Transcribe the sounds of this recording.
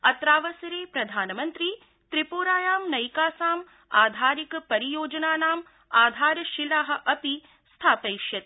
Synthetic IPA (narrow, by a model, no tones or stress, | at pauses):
ɐt̪ɾaːʋɐsɐɾeːpɾɐd̪ʱaːnɐmɐnt̪ɾi | t̪ɾipoːɾaːjaːmnɐjkaːsaːm | aːd̪ʱaːɾikpɐɾijoːd͡ʒɐnaːnaːm | aːd̪ʱaːɾɐʃilaːɦɐ̆ʔɐpi | st̪ʰaːpɐjʃjɐt̪